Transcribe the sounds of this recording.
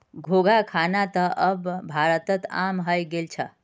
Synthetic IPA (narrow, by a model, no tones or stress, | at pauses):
ɡʱoɡʱakʰanat̪əʔəbbːʱaɾət̪ət̪a̰mɦəjɡelt͡ʃʰə